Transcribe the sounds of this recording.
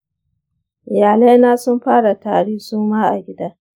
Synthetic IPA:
ʔɪ˨jaː˨le˦naː˦sʊ˦mɸaː˦ɽa˨taː˨ɽiː˦suː˦maː˦ʔa̰˨ɡʲɪ˦daː˦

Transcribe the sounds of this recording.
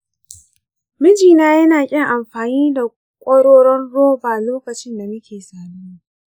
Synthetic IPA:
mɪ˦d͡ʒiː˨naː˦jɐ˦naː˨kʲʼɪ˦ŋʔa˨mɸaː˨niː˦da˨ | kʷʼɐ˦ɽoː˦ɽɔ˦nɽoː˦baː˨loː˦kɐ˨t͡ʃɪ˦nda˨mɐ˦kʲeː˨saː˨muː˦

